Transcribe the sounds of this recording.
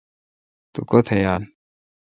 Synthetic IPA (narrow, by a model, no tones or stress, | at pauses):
t̪ʊkɔt̪ʰɐjaːn